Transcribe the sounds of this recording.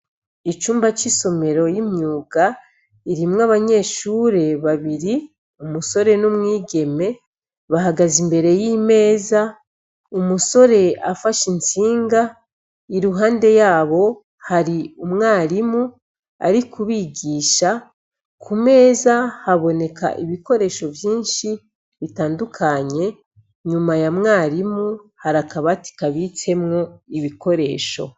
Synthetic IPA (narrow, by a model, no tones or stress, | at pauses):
it͡ʃuːmbat͡ʃiso̞me̞ɾo̞jimɲuːɡ̥a | iɾimŋaβaɲe̞ːʃuɾe̞βaβiɾi | umuso̞ɾe̞numŋiːɡe̞me̞ | βaɦaɡazimbe̞ɾe̞jime̞ːza | umuso̞ɾe̞afaʃint͡siːŋɡa | iɾuɦaːnde̞jaːβo̞ | haɾiumŋaːɾimu | a̰ɾikʰuβiɡiːʃa | kʰume̞ːzahaβo̞ne̞kʰa̰ʔiβiko̞ɾe̞ːʃo̞vjiːnʃi | βitaːndukʰaɲe̞ | ɲumajamŋaːɾimuhaɾakaβati̥kaβit͡se̞mŋo̞iβiko̞ɾe̞̰ːʃo̞